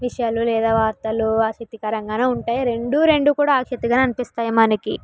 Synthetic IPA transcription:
ʋiʂɐjaːlulɛːd̪aːʋaːɾt̪ɐluaːsit̪ːikɐɾɐŋɡaːnauɳʈaːjaɾe̞ɳɖuɾe̞ɳɖukuːɽaːkʂɐt̪iɡaːnɐnipist̪aːjɐmɐnɐkḭ

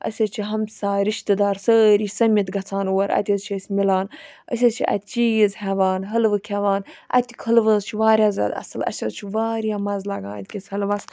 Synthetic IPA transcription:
ɐ̰sʲɐt͡ʃʰiɦɐmsaːɾiʃt̪ɨd̪aːɾsəːɾiːsɐmʲjɐt̪ɡɐt͡sʰaːnuwɐɾʔɐ̰t̪ʲɐzt͡ʃʰəsʲmilaːnɐ̰sʲɐzt͡ʃʰiʔɐ̰t̪̚ʲt͡ʃizɦɛʋaːnɦɐlʋɨkʲʰɛʋaːnʔɐ̰t̪i̥kʰəlʋəzt͡ʃʰiʋaːɾʲjaːzɐ̰d̪ɐ̰sɨlɐ̰sʲɐzt͡ʃʰiʋaːɾjaːmɐzlɐɡa̰ːnt̪ʲkʲisʲhɐlʋɐs

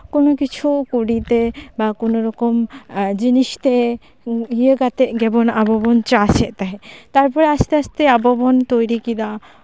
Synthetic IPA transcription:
konokit͡ʃʰukuɖit̪ebakonoɾɔkɔmd͡ʒinist̪e | ɦijəɡat̪ɛʔɡɛbɔnabɔbɔnt͡ʃaːsɛʔt̪aɦɛt̪aɾpɔɾɛast̪ɛast̪ɛabɔbɔnt̪ojɾikid̪a

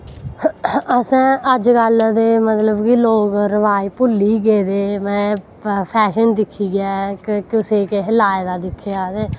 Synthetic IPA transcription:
əsɛ̃ːʔəd͡ʒkəld̪eːmət̪ləbkiːloːkɾəʋaːiːpʊlːiːɡeːd̪eːmɛ̃ː | pʰɛːʃənd̪ɪkʰːiːɡɛːkkɪseːkɪɦɪlaːeːd̪aːd̪ɪkʰːejaːd̪eː

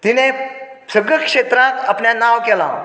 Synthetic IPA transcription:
t̪inesəɡəkʂet̪ɾãt̪apɳjanaʋkɛla̰

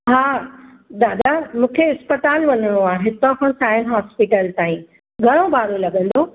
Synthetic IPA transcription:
ɦaː | d̪aːd̪amũːkʰeɪspət̪aːlʋɐɲəɽ̃oãːɦɪt̪õkɐ̃saːjənɦaːspiʈəlt̪aːĩ | ɡʱɐɽ̃obaːɾolɐɠə̃nd̪oː

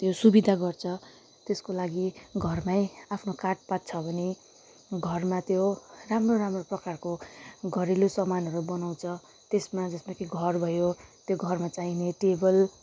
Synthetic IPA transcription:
t̪josubid̪ʱaɡʌrt͡sʰʌ | t̪eskolaɡiɡʱʌrmajapʰnokaʈ̚pat̪̚t͡sʰʌbʱʌne | ɡʱʌrmat̪joramroɾamroprʌkarkoɡʱʌɾilosʌmanɦʌɾubʌnaw̃t͡sʰʌ | t̪esmad͡zʌsmakʰiɡʱʌrbʱʌjot̪joɡʱʌrmat͡saɦineʈebʌl

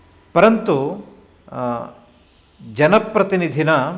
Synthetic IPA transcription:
pɐɾɐnt̪u | d͡ʒɐnɐpɾɐt̪inid̪ʱinɐ

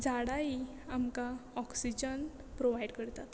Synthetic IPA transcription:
d͡zaɽai | amkaɔksid͡ʑən | pɾoʋajɽkəɾt̪at̪

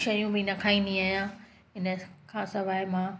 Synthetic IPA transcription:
ʃɐjũbɪnɐkʰãːĩnd̪ĩaːjã | ɪnəkʰãːsɐʋaːɪmãː

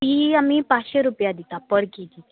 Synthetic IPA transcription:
iamipaɕeɾupjad̪it̪apəɽkit̪i

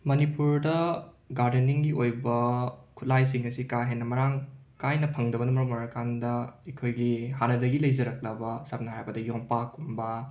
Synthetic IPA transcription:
mɐnipuɾdɐ | ɡaɾdeniŋɡiojbɐkʰut̚lajsiŋɐsikaɦenːɐmɐɾaŋkajnɐpʰɐŋdɐbɐnɐmɾɐmɔɾakandɐekʰojɡiɦanɐdɐɡilɐjzɐɾɐk̚lɐbɐsap̚nɐɦajbɐdɐjoŋpakumbɐ

